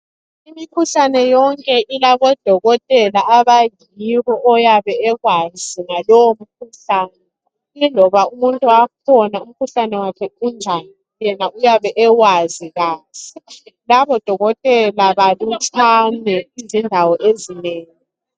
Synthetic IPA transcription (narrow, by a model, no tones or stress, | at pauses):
imikʰuɬanɛjɔŋkʼɛʔilaβɔd̥ʱɔɣɔtʼɛlaʔaβaj | iɣɔʔɔjaβɛɛɣwaziŋalɔwom̩kʰuɬaːnɛ | lilɔβaumuntʼuwakʰɔnaum̩kʰuɬanɛwakʰɛund͡ʒʱani | jɛnaujaβɛʔɛwaziɣaːzi̥laβɔd̥ʱɔɣɔtʼɛlaβalut͡ʃʰanɛizindʱawɔʔezineːŋi